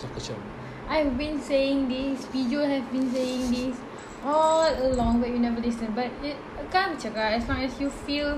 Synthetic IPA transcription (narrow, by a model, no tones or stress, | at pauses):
sakət͡ʃa | ʔajvbĩnseɪ̃ŋd̪isfid͡ʒəhɛvbĩnseɪ̃ŋd̪is | ʔɔləlɔ̃ŋwɛjunɛvəlisə̃nbat̚i | əkãmət͡ʃəkaɛslɔ̃ŋɛsjufil